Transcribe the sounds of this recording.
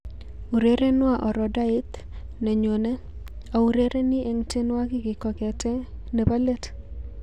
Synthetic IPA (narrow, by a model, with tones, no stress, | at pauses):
u˨ɾe˦ɾe˦nwa˦˨ʔɔ˨ɾɔ˨da˦ɪ˦t̪ | nɛ˨ɲo˨ne˦ | a˨u˨ɾe˦ɾʔe˦nɪ˦ʔe˨ŋte˦nwa˦ɡɪ˦ɡɪ˨kɔ˨kɛ˨tɛ˦ne˨ba˦le˦t